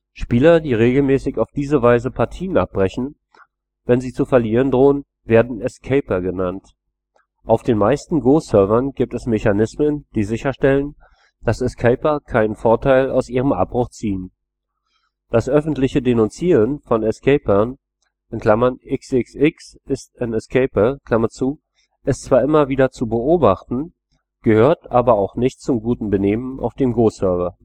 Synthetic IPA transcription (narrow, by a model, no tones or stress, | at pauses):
ʃpiːlɐdiːʁeːɡl̩mɛːsɪçaʊfd̥iːzəvaɪzəpʰaɐtʰiːəna̰p̚b̥ʁɛçn̩ | vɛnziːt͡sufɛɐliːʁəndʁoːən | veːɐdn̩ɛskʰɛɪpɐɡənant | ʔaʊfd̥eːnmaɪstn̩ɡoːsœɐvɐnɡiːp̚tɛsmeçanɪsmənd̥iːzɪçɐʃtɛlən | d̥asɛskʰɛɪpɐkʰaɪnənfoɐtʰaɪla̰ʊsʔiːʁ̞əmʔa̰b̚b̥ʁʊχt͡siːən | d̥asʔœfn̩tlɪçədenʊnt͡siːʁənfɔnɛskʰɛɪpɐn | ʔɪnkl̥amɐnʔɪksɪksɪks | ɪstanɛskʰɛɪpɐkl̥amɐt͡suː | ʔɪstt͡sv̥aːɐʔɪmɐviːdɐt͡subəʔoːbaχtn̩ | ɡ̥əhøːɐtʔaːbɐaʊxnɪçtt͡sʊmɡuːtn̩bəneːmənʔa̰ʊfd̥eːmɡoːsœɐvɐ